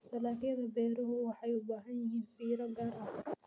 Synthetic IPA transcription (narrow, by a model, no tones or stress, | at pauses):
dɐlaːkjɐðɐbɛːɾɔɦʊwɑħɑjʊbaːɦɐnjɪɦiːnfiːɾɐɡaːrʔɐh